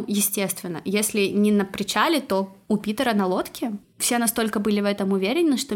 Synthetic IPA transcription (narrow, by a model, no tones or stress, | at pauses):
jɪsʲtʲe̞st̪vʲɪnːə̰jesʲlʲɪnʲɪnəpɾʲɪt͡ɕalʲɪt̪o̞ʊpʲit̪əɾənɐlˠo̞t̪kʲɪ | fsʲe̞nɐst̪o̞lʲkəbɨlʲɪvɛt̪əmʊvʲeɾʲɪnʲɪnːɨʂt̪o